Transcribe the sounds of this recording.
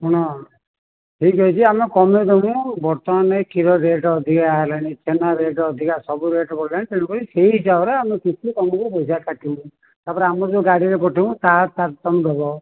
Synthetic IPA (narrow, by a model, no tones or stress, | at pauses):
uɽ̃ɔ | ʈʰikɔit͡ʃʰiamekɔmed̪emũbɔɾt̪ɔmanekiɾɔɾeʈɔːd̪ʱikalañit͡ʃenaɾeʈːd̪ʱikasɔbuɾeʈɔpɔɽlañt̪eɽ̃upɔɾiseid͡ʒawɾeamekit͡ʃʰikɔmekubɔjsakaʈʰiũ | t̪aɾpɔɾeamɔd͡ʒoɡaɽiɾepɔʈʰiũt̪at̪aɾt̪ɔmd̪ʱɔbɔ